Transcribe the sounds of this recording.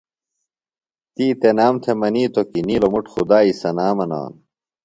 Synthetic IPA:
t̪iːt̪enaːmt̪ʰemɐniːt̪okiniːlomuʈxud̪aːisɐnaːmɐna̰ːn

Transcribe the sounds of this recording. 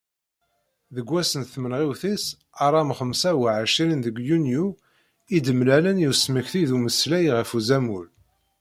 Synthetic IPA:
ðəɡʷːæsənθmənʁiwθis | ɑɾˤɑmχəmsæwʕəʃiɾinðəɡjunju | id̪əmlælənjusməçθiðuməslæjʁəfuzæmul

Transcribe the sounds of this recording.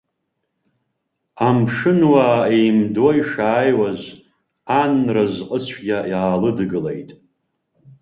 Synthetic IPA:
amʂɨnwaejmdojʂaːjwazʷ | anrazqʼət͡ɕʷʰɡʲajaːlɨdɡɨlḛjtʼ

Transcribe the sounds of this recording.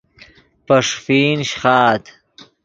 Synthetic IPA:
pɐʂfiːnɕxɑːt̪

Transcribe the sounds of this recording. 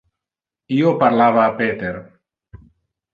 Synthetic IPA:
iopaɾlaβaːpet̪eɾ

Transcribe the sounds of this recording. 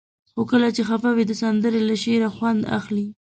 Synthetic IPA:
xokəlat͡ʃexapawid̪əsand̪əɾelaʃeɾaxwand̪a̰xli

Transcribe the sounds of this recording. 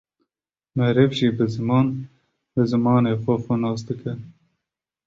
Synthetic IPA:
mɛhɾɛvʒiːbɨzɨmɑːn | bɨzɨmɑːneːxʷɔxɔnɑːsd̪ɨkɨn

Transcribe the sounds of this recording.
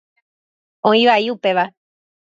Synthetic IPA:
õĩʋaiupe̞ʋa

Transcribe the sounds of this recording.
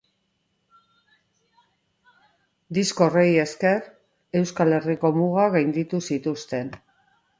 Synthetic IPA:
d̪isko̞reje̞ske̞ɾ | e̞wskale̞riko̞muɣ̞aɣajnd̪it̪usit̪ust̪e̞n

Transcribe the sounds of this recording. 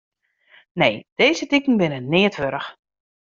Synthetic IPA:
nejd̥eːzətikn̩bɪnənɪːətʋøɾəx

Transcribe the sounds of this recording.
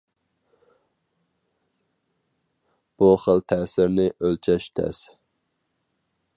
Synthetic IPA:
b̥uχəlˠt̪ʰɛːsɪɾnɪʔølt͡ʃʰɛʃt̪ʰɛ̰s

